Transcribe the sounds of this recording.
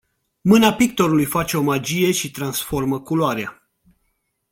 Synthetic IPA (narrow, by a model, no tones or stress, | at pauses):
mɨnapik̚t̪o̞ɾulujfat͡ʃe̞o̞mad͡ʒije̞ʃit̪ɾansfo̞rməkuloaɾea